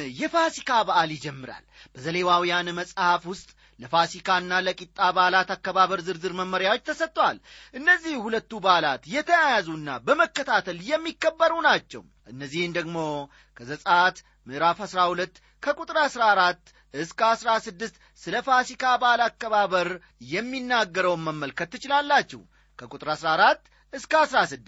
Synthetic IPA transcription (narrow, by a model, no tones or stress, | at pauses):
jɛfasikʰabaʔalid͡ʒɛmːɨɾa̰lb̥əzəlewawjanməsʼhafwʊst̪ʼ | ləfasikʰanːaləkʼit̪ʼːabalat̪akːəβaβəɾzɨɾzɨɾməmːəɾjawo̞t͡ʃːt̪ʰəsət̪ʼːwalʔɨnːəzːihhulət̪ːubalat̪jɛt̪ʰəjajazuɨnːabəməkːət̪ʰat̪ʰəljɛmːikːəbːəɾunat͡ʃːɛ̰w | ʔɨnːəzːihɨnd̪əɡmo̞ | kʰəzəsʼat̪ | mɨʔɾafhasɾahulət̪ː | kʰəkʼut̪ʼɾasɾaɾat̪ː | ɨskəasɾasɨd̪ːɨst̪ | sɨləfasikʰabalakːəβaβəɾ | jɛmːinːaɡːəɾəwməmːəlkʰət̪ːɨt͡ʃɪlalːat͡ʃːɛ̰h | kʰəkʼut̪ʼɾasɾaɾat̪ː | ɨskəasɾasɨd̪